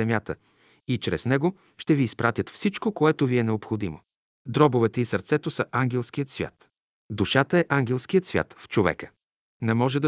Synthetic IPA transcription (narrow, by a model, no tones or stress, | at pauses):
ɛmʲjat̪ə | it͡ʃɾɛ̰znɛɡo | ʃt̪ɛviːspɾʔat̪ʲjət̪fsit͡ʃkokoɛt̪oviɛnɛopxod̪imo̰ | d̪ɾɔbovɛt̪ɛisəɾt̪sɛt̪osəʔaŋɡʲɛlˠskiət̪svʲja̰t̪ | d̪uʃat̪əɛʔaŋɡʲɛlˠskiət̪svʲja̰t̪ft͡ʃovɛ̰kə̥ | nɛmɔʒɛd̪ɐ